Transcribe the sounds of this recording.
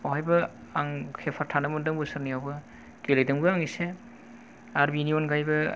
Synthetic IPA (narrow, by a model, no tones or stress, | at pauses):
aɦajbɯaŋkʰepʰaɾtʰanɯmɯndɯŋbɯsɯɾnijawbɯ | ɡ̥ilejdɯŋbɯaŋise | aɾbinionɡajbɯ